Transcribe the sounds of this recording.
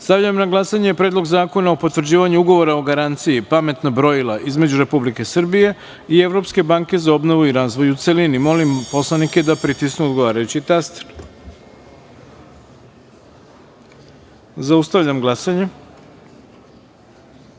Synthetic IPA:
st̪aʋʎamnaɡlˠasaɲepɾe̞ːd̪lˠo̞ɡzaːko̞naopo̞t̪ʋr̩d͡ʑiːʋaɲuuɡo̞ʋo̞ɾaoɡaɾant̪sijipame̞t̪nabɾo̞ilˠaʔizme̞d͡ʑuɾe̞publike̞sr̩bije̞ | ie̞ʋɾo̞pske̞baŋke̞zao̞bno̞ʋuiɾaːzʋo̞jut̪selinimo̞limpo̞slˠanike̞d̪apɾit̪isnuod̪ɡoʋaːɾajut͡ɕit̪ast̪e̥ɾ | zaust̪aʋʎamɡlˠasaɲe

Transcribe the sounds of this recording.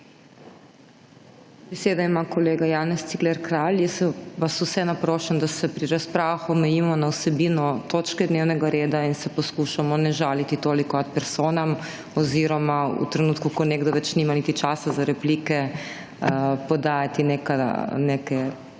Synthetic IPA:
bɛseːd̪aimakɔleːɡajaːnɛst̪iɡlɛɾkɾaljɛsʋasusɛnapɾoːʃɛmd̪asɛpɾiɾaspɾaːʋaxɔmɛjiːmɔnawsɛbiːnɔt̪oːt͡ʃkɛd̪neːwnɛɡaɾeːd̪ainsɛpɔskuʃamɔnɛʒaːlit̪it̪oːlikɔnat̪̚pɛɾsoːnam | ɔziɾɔmaṵt̪ɾɛnuːt̪kukɔneːɡd̪ɔʋɛt͡ʃnimanit̪it͡ʃasazaɾɛplikɛ | pɔd̪aːjat̪inekanekɛ

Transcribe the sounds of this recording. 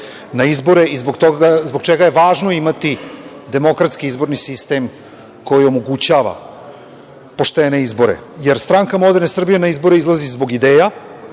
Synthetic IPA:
naizbo̞ɾeizboɡt̪oazbokt͡ʃeɡajeʋaːʒnoimat̪id̪e̞mo̞kɾat̪skiizbo̞ɾnisist̪e̞m | kʰo̞jio̞moɡut͡ɕaːʋa̰ | po̞ʃt̪ene̞izbo̞ɾḛjeɾst̪ɾaŋkamlod̪nesr̩bijenaizbo̞ɾeizlˠazizbo̞ɡid̪eːja

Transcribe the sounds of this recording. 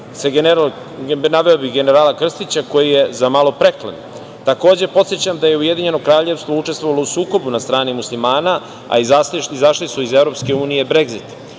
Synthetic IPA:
seɡeneɾal | naʋe̞obiɣɡeneɾaːlakr̩st̪it͡ɕako̞jijezamalo̞pɾeklḛn | t̪ako̞ːd͡ʑe̞po̞t̪sjet͡ɕamd̪aje̞uje̞d̪iɲe̞no̞kɾaːʎe̞ʋst̪vo̞ut͡ʂe̞st̪ʋo̞ʋalo̞usuːko̞bunast̪ɾaːnimuslimaːna | a̰izaiizaʂlisuizevɾo̞pske̞uːnijebɾe̞ɡzit̪

